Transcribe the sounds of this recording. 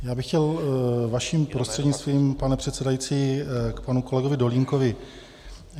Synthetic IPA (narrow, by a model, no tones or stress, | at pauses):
jaːbɪxcɛlvaʃimpɾost̪r̥ɛdɲɪt͡st̪viːmpanɛpr̝̥ɛt̪sɛdajit͡siːkpanuko̞lɛɡovɪdo̞liŋko̞vɪ